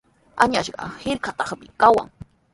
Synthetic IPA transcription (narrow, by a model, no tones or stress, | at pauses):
aɲaʃɢɑ̰hɪɾkat̪ɑχmɪkawa̰ŋ